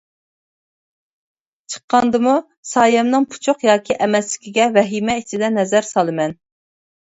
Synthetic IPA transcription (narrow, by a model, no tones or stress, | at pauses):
t͡ʃʰə̥qːɑnd̪ɨmu | sɑːjɛmnɨŋpʰu̥t͡ʃʰʊqjɑːkʲʰiʔɛmɛslɪ̥kʲʰiɡʲɛvɛɦimɛit͡ʃʰid̪ɛnɛzæɾsɑlˠɨmɛn